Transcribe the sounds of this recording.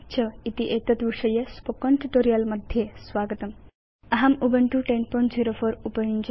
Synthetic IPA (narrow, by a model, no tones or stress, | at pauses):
t͡ɕʰəit̪iʔet̪ət̪ʋiʂəjespokɔ̃ɳʈuʈoɾijəlmɐd̪ʱjesʋaɡət̪əm | ɐɦamubəɳʈuʈenpɔɳʈd͡ʑiɾofoɾupəjind͡ʑ